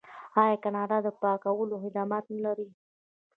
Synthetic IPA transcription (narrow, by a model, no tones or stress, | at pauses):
ɑjakanɑɖad̪əpɑkawəloxɪd̪ɑmɑt̪nəlaɾi